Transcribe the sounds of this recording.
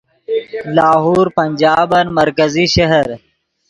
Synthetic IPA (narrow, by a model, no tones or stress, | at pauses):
laːɦuːɾpɐnd͡ʒaːbɐnmɐɾkɐziʃɐɦɐɾ